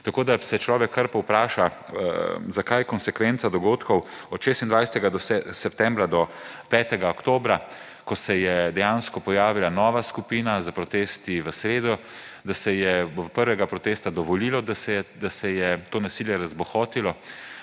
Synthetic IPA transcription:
t̪akoːd̪asɛt͡ʃlɔːʋɛkʰːəɾpɔwpɾaːʃa | zakajkɔnsɛkʋɛnt̪sad̪ɔɡoːt̪kɔw | ɔt̪ʃeːst̪ind̪ʋajsɛt̪ɛɡad̪ɔɛsɛpt̪ɛmbɾad̪ɔpɛːt̪ɛɡaɔkt̪oːbɾa | kɔsɛjɛd̪ɛjanskɔpɔjaːʋilanɔːʋaskupiːnazapɾɔt̪eːst̪iʋəsɾeːd̪ɔ | d̪asɛjɛpəɾʋɛɡapɾɔt̪eːst̪ad̪ɔʋɔliːlɔd̪asɛd̪asɛjɛt̪oːnasiːljɛɾazbɔxɔːt̪ilɔ

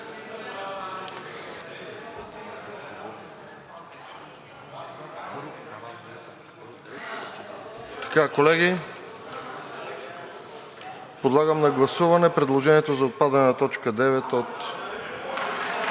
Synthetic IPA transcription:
t̪ɐ̥kakolɛɡʲi | pod̪lˠaɡəmnɐɡlˠɐsuvɐnɛpɾɛd̪lˠoʒɛniɛt̪ozɐot̪̚pad̪ɐnɛnɐt̪ɔt͡ʃkəd̪ɛvɛt̪ot̪

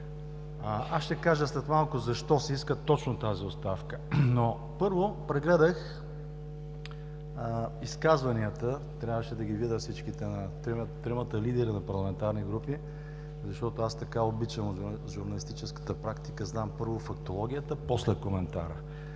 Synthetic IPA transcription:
ʔasʃt̪ɛkaʒəst̪ɛt̪malˠkʊzɐʃt̪ɔsɛiskət̪ɔt͡ʃnot̪aziost̪afkəno | pɤɾvopɾɛɡlɛd̪əx | iskazvɐniət̪ət̪ɾjabvəʃɛd̪ɐɡʲivid̪əfsit͡ʃkit̪ɛnɐt̪ɾɛmt̪ɾɛmət̪əlid̪ɛɾinɐpɐɾlˠɐmɛnt̪aɾniɡɾupi | zɐʃt̪ɔt̪oast̪ɐkaobit͡ʃəmo | ʒuɾnɐlist̪it͡ʃɛskə̥t̪əpɾakt̪i̥kəznampɤɾvofɐk̚t̪olˠɔɡ̟ʲijət̪əposlɛkomɛnt̪a̰ɾə̰

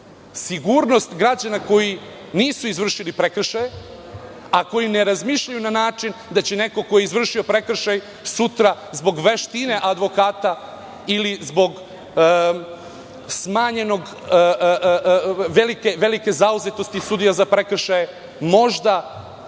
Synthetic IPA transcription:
siɡuɾno̞st̪ɡɾad͡ʑanako̞ji | niːsuizʋr̩ʃilipɾekr̩ʃaje | ako̞jineɾazmiːʃʎajunanaːt͡ʂind̪at͡ɕene̞ko̞ko̞jeizʋr̩ʃio̞pɾe̞kr̩ʃaj | sut̪ɾazbo̞ɡʋe̞ʃt̪ine̞ʔad̪ʋo̞kaːt̪a | ilizbo̞ɡ | smaːɲe̞no̞ɡ | ʋelike̞ʋe̞like̞zauzet̪o̞st̪isud̪ijazapɾekr̩ʃaje | mo̞ʒd̪a

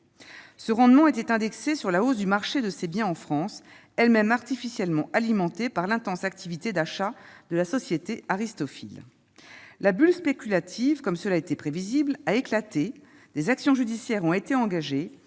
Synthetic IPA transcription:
səʁɑ̃d̪mɑ̃et̪ɛt̪ɛ̃d̪ɛksesyʁlaozd̪ymaʁʃed̪əsebjɛ̃ɑ̃fχɑ̃s | ɛlmɛmaʁt̪ifisjɛlmɑ̃ʔalimɑ̃t̪epaʁlɛ̃t̪ɑ̃sak̚t̪ʰivit̪ed̪aʃad̪əlasɔsjet̪eaʁist̪ɔfḭl | labylspekʲylat̪ʰivkɔmsəlaet̪ɛpχeviziblaeklat̪e | d̪̥ezaksjɔ̃ʒyd̪isjɛʁɔ̃et̪eɑ̃ɡaʒe

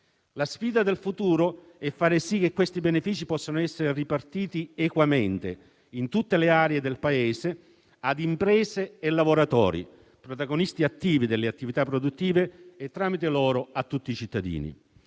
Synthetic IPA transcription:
lasfiːd̪ad̪elfut̪uːɾo | ɛfːaːɾesik̟ːekːwest̪ibenefiːt͡ʃipɔsːanoɛsːeɾeripart̪iːt̪iekwament̪ḛ | int̪ut̪ːeleaːɾeed̪elpaeːse | ad̪impɾɛːseːlːavoɾat̪ɔ̰ːɾḭ | pɾot̪aɡonist̪iat̪ːiːvid̪elːeat̪ːivit̪apːɾod̪ut̪ːiːveːt̪ːɾaːmit̪elɔːɾoat̪ːut̪ːit͡ʃit̪ːad̪ḭːnḭ

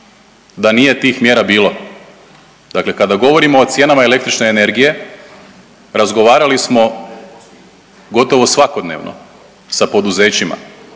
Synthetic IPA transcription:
d̪anije̞t̪iːxmje̞ːɾabiːlˠo̞ | d̪akle̞kad̪aɡo̞ʋo̞ɾimo̞ːt̪sje̞ːnamaele̞k̚t̪ɾit͡ʃne̞ːne̞ɾɡije̞ | ɾazɡo̞ʋaːɾalismo̞ | ɡo̞t̪o̞ʋo̞sʋako̞d̪nḛːʋnʔo̰ | sapo̞d̪uze̞ːt͡ɕima̰

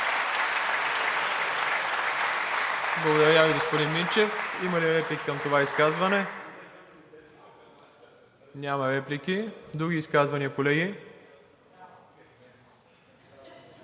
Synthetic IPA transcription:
blˠɐɡod̪ɐɾjaviɡospod̪inmint͡ʃɛfimɐliɾɛplikkəmt̪ovaiskazvɐnɛ | nʲamɐɾɛplikʲid̪ɾuɡʲiːskazvɐniəkolɛɡi

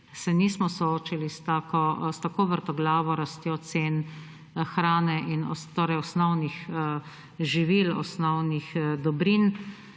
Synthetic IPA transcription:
sɛniːsmɔsɔoːt͡ʃilist̪aːkɔst̪akoːʋəɾt̪ɔɡlaːʋɔɾast̪jɔt̪seːn | xɾaːnɛʔinɔ̰st̪oːɾɛjɔsnɔwnix | ʒiʋilɔ̰snɔwnixd̪ɔbɾin

